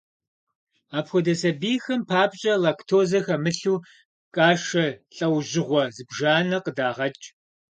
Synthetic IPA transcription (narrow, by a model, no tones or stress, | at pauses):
aːpxʷɔdɐsɐbiːxɐmpʰaːpʼɕʼɐlaktʰoːzɐxɐmɨɬuː | kʼaːʃɐɬʼɐwʑɪʁʷɔzɨbʒaːnɐqədaːʁɐt͡ʃʼ